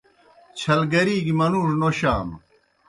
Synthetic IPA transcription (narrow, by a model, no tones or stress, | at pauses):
t͡ɕʰɐlɡɐɾiːɡimɐnuːʂnoɕaːm